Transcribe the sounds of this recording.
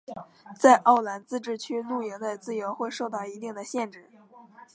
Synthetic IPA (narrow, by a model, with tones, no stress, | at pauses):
t͡sa˥˧ɪʔɑ˥˩ʊla˧˥nt͡sɹ̩˥˧ʈ͡ʂɻ̩˥˩t͡ɕʰy˥lu˥˩jɛ˧˥ŋlə˥˧t͡sɹ̩˥˩jo˧˥ʊxwe˥˧ɪʂo˥˧ʊt̪ɑ˥˩ʊi˧˥t̪i˥˩ŋd̪ə˩ɕjɛ˥˧nʈ͡ʂɻ̩˥˩